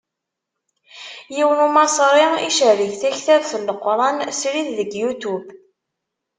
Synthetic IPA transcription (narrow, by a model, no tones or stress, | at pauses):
jiwənumɑsˤɾˤɪiʃəɾiθθæçθæðθəlːəqːɾˤɑnsɾiððəɡjut̪ub